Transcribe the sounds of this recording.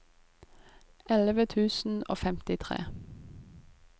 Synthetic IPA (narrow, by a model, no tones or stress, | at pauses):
ʔɛlʋət̪ʰʉːsn̩o̰ːfɛmt̪ɪt̪ʰʁḛː